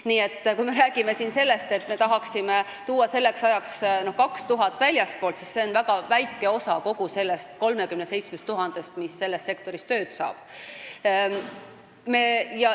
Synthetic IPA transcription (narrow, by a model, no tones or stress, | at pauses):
niːe̞t̪ːkujme̞ɾæːɡ̥ime̞siːnse̞lːe̞st̪e̞t̪ːˑme̞t̪ɑɦɑksime | t̪uːwɑse̞lːe̞ksɑjɑksno̞hkɑkst̪uɦɑt̪ːˑvælʲjɑst̪̚po̞ːlt̪sisse̞o̞nvæɡ̥ɑvæjkːˑe̞o̞sɑko̞ɡuse̞lːe̞st̪ko̞lme̞kymnese̞jt̪smest̪ːuɦɑnd̪̥e̞st̪misːe̞lːe̞st̪se̞kt̪o̞ɾist̪ø̞ːt̪sɑ̰ːb̥ | me̞jɑ